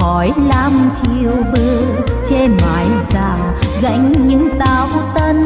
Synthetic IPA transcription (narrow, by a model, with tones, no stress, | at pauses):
ɔ˨˦jlaː˧mt͡ɕḭḭ˧˨əwɓɨ˧t͡ɕe˧maː˨˦jzaː˧˨˩ | ɣa̰˧˥jŋ̟ɲɨ̰˧˥ŋt̪aː˨˦wt̪ə˧n